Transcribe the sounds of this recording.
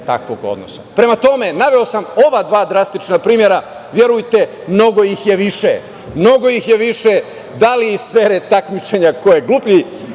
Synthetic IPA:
t̪a̰kʋo̞ɡo̞̰d̪no̰sa̰pɾe̞mat̪o̞me̞naʋe̞o̞samo̞ʋad̪ʋaːd̪ɾast̪it͡ʃnapɾiːmje̞ɾa | ʋje̞ɾujt̪e̞ | mno̞ɡo̞jixje̞ʋiʃḛ | mno̞ɡo̞jixjeʋiʃe | d̪aliːsfeːɾet̪akmit͡ɕeɲako̞jeɡlˠuːpʎi

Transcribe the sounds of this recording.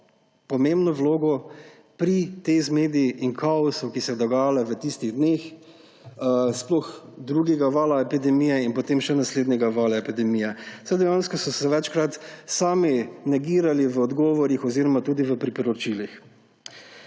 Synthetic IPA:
pɔmembnɔʋloːɡɔ | pɾit̪eɪzmeːd̪iiʔiŋkʰaɔsɔwkisɛjd̪ɔɡaːjalɛʋət̪ist̪iɣd̪nex | splɔxd̪ɾuɡɛɡaʋaːlaɛpid̪ɛmijɛinpɔt̪emʃɛnasleːd̪nɛɡaʋaːlaɛpid̪ɛmijɛsajd̪ɛjãnskɔsɔsɛʋɛt͡ʃkɾat̪saːminɛɡiːɾaliʋəɔd̪ɡɔːʋɔɾixɔziːɾɔmat̪uːd̪iʋəpɾipɔɾɔt͡ʃilix

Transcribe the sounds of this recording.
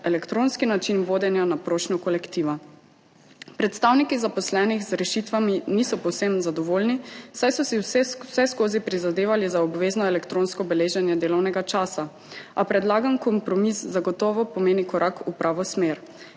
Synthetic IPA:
ɛlɛkt̪ɾoːnskinat͡ʃinʋoːd̪ɛnjanapɾoːʃnɔkɔlɛkt̪iʋa | pɾɛt̪st̪awnikizapɔslɛːnixzɾɛʃit̪ʋaminisɔpɔwsemzad̪ɔʋoːlniwsajsɔsiwsɛskoːzipɾizad̪eːʋalizaɔbʋeːznɔɛlɛkt̪ɾoːnskɔbɛleːʒɛnjɛd̪eːlɔwnɛɡat͡ʃaːsa | apɾɛd̪laːɡamkɔmpɾɔmiszaɡɔt̪ɔːʋɔpɔmeːnikɔɾʔakupɾʔaːʋɔsmeːɾ

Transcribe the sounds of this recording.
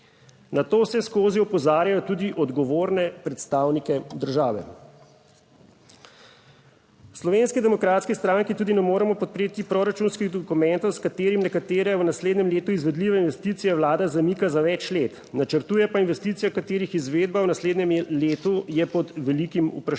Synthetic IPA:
nat̪oːsɛskoːziɔpɔzaːɾjajɔt̪uːd̪iʔɔd̪ɡɔʋoːɾnɛpɾɛt̪st̪aːwnikɛd̪əɾʒaːʋɛ̰ | wslɔʋenskid̪ɛmɔkɾaːt̪skist̪ɾaːŋkit̪uːd̪inɛmoːɾɛmɔpɔt̪̚pɾeːt̪ipɾoɾat͡ʃuːnskiɣd̪ɔkumɛnt̪ɔwskat̪eːɾimnɛkat̪eːɾɛwnasleːd̪nɲɛmleːt̪uizʋɛd̪liʋainʋɛst̪iːt̪sijɛwlaːd̪azamikazaʋɛt͡ʃlet̪ | nat͡ʃəɾt̪uːjɛpainʋɛst̪iːt̪sijakat̪eːɾixizʋeːd̪̚bawnasleːd̪nɛmleːt̪ujɛpɔd̪ʋɛlikimṵpɾ

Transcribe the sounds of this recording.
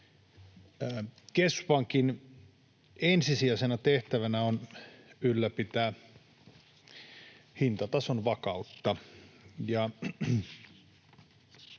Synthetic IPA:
kespɑŋkin | ensisiæˑsenɑt̪eht̪æʋænæonylːæpit̪æː | hint̪ɑt̪ɑsonʋɑkɑut̪ːɑ | jɑ

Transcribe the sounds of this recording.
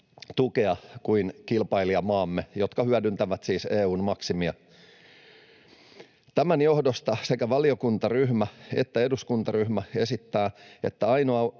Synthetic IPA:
t̪ukeɑkuinkilpɑiliɑmɑːmːejo̞t̪kɑhyædynt̪æʋæt̪siːseːuːnmɑksimiɑ | t̪æmænjo̞hdost̪ɑsekæʋɑlio̞kunt̪ɑryhmæet̪ːæe̞duskunt̪ɑryhmæe̞sit̪ːæːet̪ːæɑjnoɑ

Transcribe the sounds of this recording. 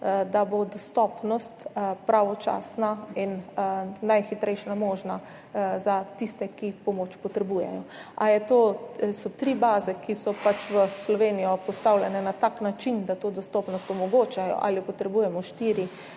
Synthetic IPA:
d̪abod̪ɔst̪ɔpnɔst̪pɾaʋɔt͡ʃa̰ːsnain | najxit̪ɾɛjʃnamoːʒna | zat̪ist̪ɛkipɔmoːt͡ʃpɔt̪ɾɛbuːjɛ̰jɔajɛt̪oːsɔt̪ɾibaːzɛkisɔpat͡ʃʋəslɔʋeːnijɔpɔst̪awlʲjɛnɛnat̪aknat͡ʃind̪at̪oːd̪ɔst̪ɔpnɔst̪ɔmɔɡoːt͡ʃajɔ̰ʔa̰lipɔt̪ɾɛbuːjɛmɔʃt̪iːɾi

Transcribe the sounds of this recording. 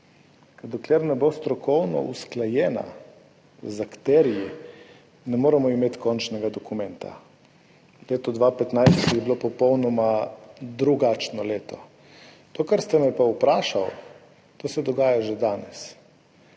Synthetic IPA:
kad̪okleːɾnɛbost̪ɾɔkɔwnɔ̰ʔusklajɛːna̰ | zakt̪ɛɾiji | nɛmoːɾɛmɔimeːt̪kɔnt͡ʃnɛɡad̪ɔkumɛnt̪a̰ | leːt̪ɔd̪ʋaːpɛt̪najst̪t̪iɣbilopɔpɔwnɔmad̪ɾuɡat͡ʃnɔleːt̪ɔ | d̪̥okaɾst̪ɛmɛpaupɾaːʃaw | t̪oːsɛd̪ɔɡaːjaʒed̪aːnɛs

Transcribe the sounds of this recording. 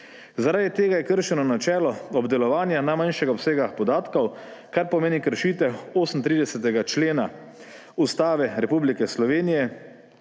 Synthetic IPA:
zaɾaːd̪it̪eːɡajɛkəɾʃɛnɔnat͡ʃɛːlɔɔbd̪ɛlɔʋaːnjanajmanʃɛɡaɔpseːɡaxpɔd̪aːt̪kɔwkaɾpɔmeːnikəɾʃiːt̪ɛoːsn̩t̪ɾiːd̪ɛsɛt̪ɛɡat͡ʃleːna | ust̪aːʋɛɾɛpublikɛslɔʋeːnijɛ

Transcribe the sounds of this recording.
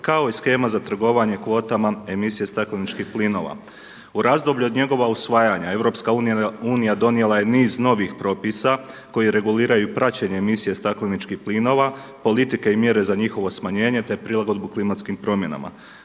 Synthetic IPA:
kao̞isxe̞ːmazat̪r̩ɡo̞ʋaɲe̞kʋo̞ːt̪amae̞misije̞st̪aklinit͡ʃkihplino̞ːʋa̰ | uɾazd̪o̞bʎuo̞d̪ɲe̞ɡo̞ʋausʋaːjaɲae̞ʋɾo̞pskauːnijuːnijad̪o̞nije̞laje̞niːzno̞ʋixpɾo̞pisa | ko̞jiɾe̞ɡuliːɾajupɾʔat͡ɕeɲeːmisije̞st̪aklinit͡ʃkihplino̞ːʋapo̞lit̪ike̞imje̞ɾe̞zaɲixo̞ʋo̞smaɲe̞ːɲe̞t̪e̞pɾilˠaɡo̞d̪̚buklimat̪skimpɾo̞mje̞na̰ma̰

